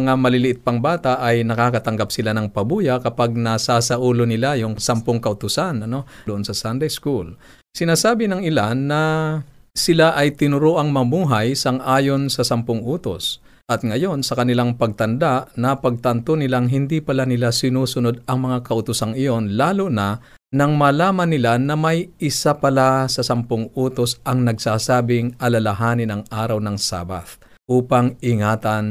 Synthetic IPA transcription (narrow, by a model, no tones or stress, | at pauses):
ŋamɐlɪlɪʔɪt̪̚pɐŋbaːt̪aʔɐjnɐkaːkɐt̪ɐŋɡap̚sɪlanɐŋpɐbuːjɐkɐpaɡ̚nɐsaːsɐʔuːlonɪlajʊŋsɐmpoŋkɐʔʊt̪ʊsanɐno̞d̪oʔonsɐsand̪ɛjskul | sɪnaːsaːbɪnɐŋɪlanːɐ | sɪlaʔɐjt̪ɪnʊɾoʔɐŋmɐmuːɦɐjsɐŋʔaːjonsɐsɐmpoŋʔuːt̪o̰s | ʔɐt̪̚ŋɐjo̞nsɐkɐnɪlaŋpɐɡ̚t̪ɐnd̪aʔnɐpɐɡ̚t̪ɐnt̪onɪlaŋɦɪnd̪ipɐlanɪlasɪnuːsʊno̞d̪̚ɐŋmɐŋakɐʔʊt̪ʊsaŋɪjo̞nlaːlonɐ | nɐŋmɐlaːmɐnːɪlanɐmɐjɪsapɐlasɐsɐmpoŋʔuːt̪osʔɐŋnɐɡsaːsaːbɪŋʔɐlɐlɐɦaːnɪnɐŋʔaːɾɐwnɐŋsa̰ːba̰θ | ʔuːpɐŋɪŋaːt̪ɐn